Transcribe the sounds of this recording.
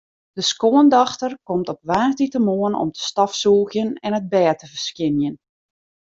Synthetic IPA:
d̥əskoəndɑxtərkɔmtɔp̚ʋaːrtitəmoənɔ̰mtə̥stɑfsuːɣjənɛnəd̚bɛːtəvərskɪnjən

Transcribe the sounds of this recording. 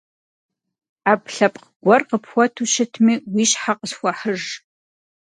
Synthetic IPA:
aːpɬɐpʼqɡ̥ʷɔrqəpxʷɔtʰuːɕɪtʰmiːwiːɕħaqəsxʷɔħəʒ

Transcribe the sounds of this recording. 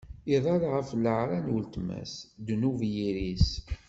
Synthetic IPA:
iðˤɑlʁəfləʕɾanwəlt̪mæ̰sd̪nuvjiɾis

